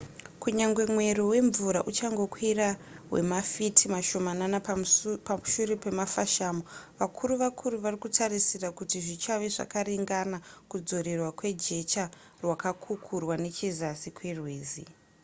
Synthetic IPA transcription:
kuɲaŋɡwe̞mwe̞ɾowe̞ɱvuɾaʔut͡ʃaŋɡo̞kwirawe̞̰mafitʰimaʃo̞mananapamuʃuɾepe̞mafaʃaːmoʋakʰuɾuʋakʰuɾuʋarikutʰarisirakutiʐit͡ʃaʋe̞ʐa̰kaɾiŋɡanakud͡zo̞ɾerwakwe̞d͡ʒe̞t͡ʃa | rwakakʰukʰurwane̞t͡ʃezasikwerwe̞ːzḭ

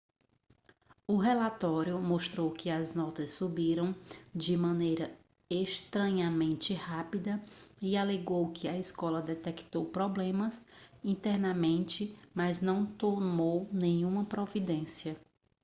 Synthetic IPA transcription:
ʊɦɛlat̪ɔɾjʊmoʃt̪ɾowkɪɐznɔt̪ɐsːubiɾɐ̃w̃d͡ʒɪmɐ̃nejɾɐ | eʃt̪ɾɐ̃ɲɐmẽnt͡ʃɪhapid̪ɐialeɡowkɪɐiskɔlɐd̪ɛt̪ɛkt̪owpɾɔblẽmɐsĩnt̪ɛɾnɐmẽnt͡ʃɪmɐznɐ̃w̃t̪oɾnownẽɲũmɐpɾovid̪ẽsiɐ

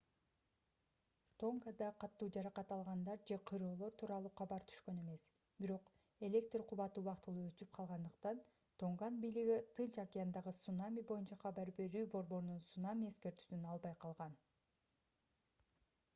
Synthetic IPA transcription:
t̪ʰo̞ŋɡad̪ɑqʰɑt̪ːuːd͡ʒɑɾɑqɑt̪ɑlˠʁɑnd̪ɑɾd͡ʒe̞qʰɯɾo̞ːlˠo̞ɾt̪ʰuːɾɑlˠuːqʰɑβɑɾt̪ʰy̥ʃkø̞ne̞me̞s | biɾo̞q | e̞lʲe̞k̚t̪rqʰuβɑt̪ɯuβɑqt̪ɯlˠuːøt͡ʃyp̚qʰɑlˠʁɑnd̪ɯqt̪ɑn | t̪ʰo̞ŋɡɑnbijliɡit̪ʰɯnt͡ʃakʲijand̪ɑʁɯsunamʲibo̞junt͡ʃɑqʰɑbɑɾbe̞ɾyːbo̞ɾbo̞ɾununsunamʲie̞ske̞ɾt̪y̥synɑlˠbɑjqʰɑlˠʁɑn

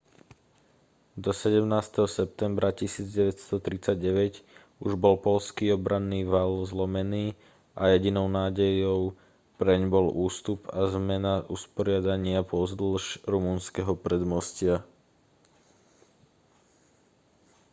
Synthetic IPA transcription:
d̪ɔsɛɟɛmnaːst̪ɛɦɔsɛp̚t̪ɛmbɾʔacisiːd͡zɟɛʋɛcst̪ɔt̪ɾit͡saɟ̚ɟɛʋɛc | uʒbɔlpɔʎskiːɔbɾʔanːiːʋalzlɔmɛniː | ʔajɛɟinɔʊnaːɟɛjɔʊ | pɾɛɲbɔlʔuːst̪upazmɛnaʔuspɔɾɪad̪aɲɪapɔzd̪l̩ʃɾumunskɛɦɔpɾɛd̪mɔscɪa

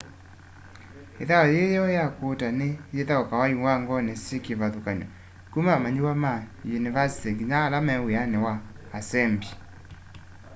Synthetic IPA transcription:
ḛðaɔjejɔjakotanejeðaɔkawaiwaŋɡɔnesikivaðukaɲɔ | kumamaɲiwamajunivasi̥teɡɲalamɛweanewaːsɛmbi

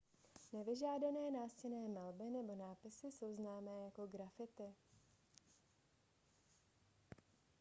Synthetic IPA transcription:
nɛvɪʒaːdanɛːnaːscɛnɛːmalbɪnɛbo̞naːpɪsɪso̞wznaːmɛːjako̞ɡɾafɪt̪ɪ

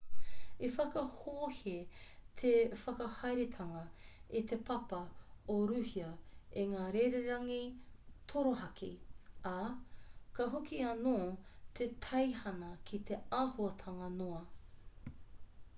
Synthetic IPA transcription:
efɐkɐhoːhet̪ʰefɐkɐhɐjɾet̪ʰɐŋɐit̪epʰɐpɐoɾʉːhiɐeŋaːɾejɾeɾɐŋit̪ʰoɾoɦɐkʰḭa | kɐɦokiɐnoːt̪ʰet̪ʰɐjhɐnɐkʰit̪ʰeaːhuɐt̪ʰɐŋɐnoɐ

